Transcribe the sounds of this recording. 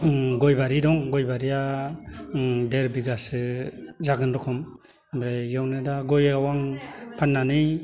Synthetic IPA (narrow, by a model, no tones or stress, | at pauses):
ɡɔjbaɾidɔŋɡɔjbaɾija | deɾbiɡasɯzaɡɯnɾɔkʰɔm | bɾejawnɯdaɡɔjawaŋpʰanːanɯj